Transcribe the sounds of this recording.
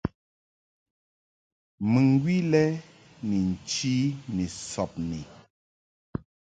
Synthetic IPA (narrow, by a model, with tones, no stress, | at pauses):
mɨ˨ŋ˦ɡwi˦lɛ˦ | ni˨n̩˨t͡ʃi˦ni˨sɔ˨p̚ni˨